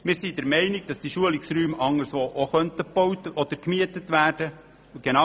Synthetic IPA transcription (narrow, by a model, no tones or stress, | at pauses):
mɪːɾsidɛɾmɛɪnɪɡ̥̚d̥ɑsd̥iʃuəlɪksɾyːmɑŋːəɾsʋoːʔoχœntəbowt̪əʔɔd̪əɾkmiətətʋæːrd̥ə | ɡ̥enɑ